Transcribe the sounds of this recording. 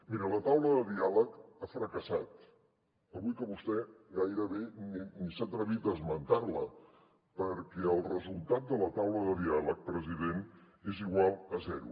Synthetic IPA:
miɾələt̪awləðəd̪ialəkafɾəkəsat̪ | əβujkəβust̪ɛɣajɾəβeninisat̪ɾəβit̪̚d̪əzmənt̪arlə̰ | pəɾkɛəlˠrəzulˠt̪at̪̚d̪ələt̪awləðəðialək̚pɾəziðen | eziɣwalˠəzɛɾṵ

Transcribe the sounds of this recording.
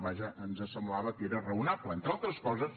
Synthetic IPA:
βaʒəənzəsəmblaβəkeɾərəunaplˠəent̪ɾalˠt̪ɾəskɔzəs

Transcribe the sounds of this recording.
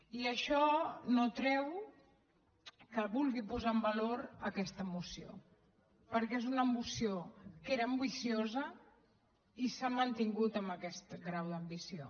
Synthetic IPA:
iəʃɔnot̪ɾɛw | kəβulˠɣipuzaəmbəloɾəkɛst̪əːmusio̰ | pəɾkɛezunəːmusiokeɾəːmbisiozə | isamənt̪iŋɡut̪əmbəkɛst̪ɡɾawðəmbisio

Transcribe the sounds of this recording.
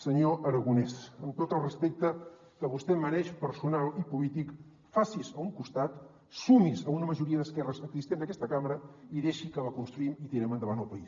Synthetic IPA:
səɲoʔəɾəɣunɛsəmt̪ot̪əlˠrəspek̚t̪ə | kəβust̪ɛmənɛʃpəɾsunalˠipulit̪ik | fasisəuŋkust̪at̪ | sumisəunəməʒuɾiəðəskɛrəsəkzist̪end̪əkɛst̪əkaməɾəiðeʃikəβakunst̪ɾuimit̪iɾɛmənd̪əβanəlˠpəis

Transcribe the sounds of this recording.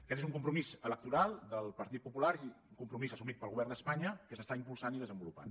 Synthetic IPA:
əkɛt̪ezuŋkumpɾumizələk̚t̪uɾalˠd̪əlˠpəɾt̪it̪̚pupulaɾiuŋkumpɾumizəsumit̪̚pəlˠɣuβɛɾrnd̪əspaɲəkəsəst̪aimpulˠsaniðəzəmbulupa̰n

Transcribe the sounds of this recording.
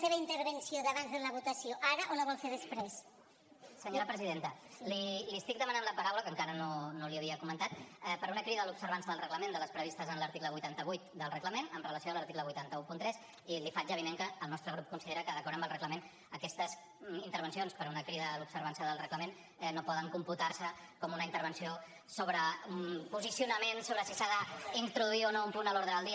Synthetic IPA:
seβəint̪əɾβənsjoðəβanzðeləβ̞ut̪ɐsjoʔaɾəʔoləβɔlfeɾðəspɾes | səɲoɾəpɾəziðent̪əliliəst̪ik̚d̪əmənanləpəɾawləkəŋkaɾənonoliəβ̞iəkumənt̪at̪ɛpəɾunəkɾiðəəlupsəɾβansəðəlˠrəɣləmend̪ələspɾəβ̞ist̪əzənləɾt̪ikləβujt̪ant̪əβujt̪̚d̪əlˠrəkləmenəmrələsioaləɾt̪ikləβujt̪ant̪əupunt̪ɾɛs | ilifaʒaβineŋkəːlnɔst̪ɾəɣɾup̚kunsiðeɾəkəðəkɔɾəmbəlˠrəkləmen | əkɛst̪əz | int̪əɾβənsionspəɾunəkɾiðəlupsəɾβansəðəlˠrəkləmen | nopɔðəŋkumput̪arsəkɔmunəint̪əɾβ̞ənsio | soβɾəumpuzisiunəmensoβɾəsisaðəint̪ɾuðuionoumpunəloɾðɾəəlˠd̪i

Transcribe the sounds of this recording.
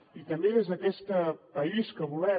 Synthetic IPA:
it̪əmbeezəkɛst̪əpəiskəβulɛ

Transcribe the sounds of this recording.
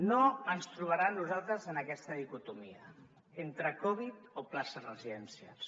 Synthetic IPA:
noənst̪ɾuβ̞aɾanːuzalˠt̪ɾəzənəkɛst̪əðikut̪umiə | ent̪ɾəkɔβ̞it̪oplasəzrəziðɛnsija̰s

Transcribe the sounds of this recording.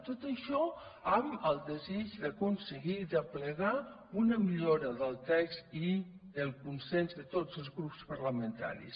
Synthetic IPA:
t̪ot̪əʃɔ | aməlˠd̪əzid͡ʒðəkunsəɣiðəpləɣa | unəmiʎoɾəðəlˠt̪ɛkst̪iðəlˠkunsɛnzðət̪ozəlˠzɣɾupspəɾləmənt̪a̰ɾḭs

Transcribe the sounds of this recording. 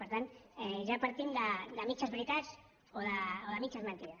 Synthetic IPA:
pəɾt̪ant̪ɛʒapaɾt̪imd̪ad̪amit͡ʃazβɾit̪as | oðaoðɐmit͡ʃazmə̃nt̪iða

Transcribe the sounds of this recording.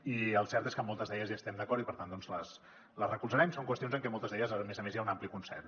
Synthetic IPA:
iəlˠsɛɾt̪eskəmɔlˠt̪əzðɛʎəzjast̪ɛmd̪əkɔɾipəɾt̪and̪ɔnzləs | ləzrəkulzəɾɛmsoŋkwəst̪jonzəŋkɛmɔlˠt̪əzðɛʎəzəmezəmezjaunamplikunsɛ̰r

